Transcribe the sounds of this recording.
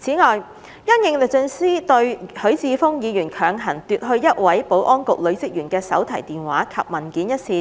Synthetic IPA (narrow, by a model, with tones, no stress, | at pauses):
t͡sʰiː˨˥ŋɔː˨j | jɐ˥njɪ˨˧ŋlɪ˨˩k̚t͡sɵ˧nsiː˥t̪ɵ˧ɥhɵ˨˥ɥt͡siː˧fʊ˥ŋjiː˨˧jyː˨˩nkʰœː˨˧ŋɦɐ˨˩nt̪yː˨t̚ɦɵ˧ɥjɐ˥t̚wɐ˨˥jpo˨˥wʔɔː˥nkʊ˨k̚lɵ˨˧ɥt͡sɪ˥k̚jyː˨˩nkɛː˧sɐ̰˨˥wt̪ʰɐ˨˩jt̪iː˨nwaː˨˥kʰɐ˨p̚mɐ˨˩nkiː˨˥njɐ˥t̚siː˧